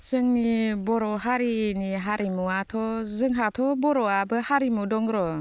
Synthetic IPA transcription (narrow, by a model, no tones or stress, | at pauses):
sɯŋnibɔɾɔɦaɾiniɦaɾimuatʰɔzɯŋɦatʰɔbɔɾɔabɯhaɾimudɔŋɾɔ